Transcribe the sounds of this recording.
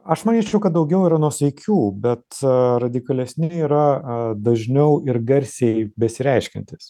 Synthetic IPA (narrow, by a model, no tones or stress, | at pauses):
ɐʃmɐnʲiːt͡ʃʲɛʊkɐt̪̚d̪ɐʊɡʲɛʊiːɾɐnuɔsʲɛɪkʲuːbʲɛt̪ɾɐd̪ʲɪkɐlʲɛsʲnʲɪiːɾɐd̪ɐʒʲnʲɛʊɪɾɡɐɾʲsʲɛɪbʲɛsʲɪɾʲɛɪʃʲkʲɛ̰nʲt̪ʲɪs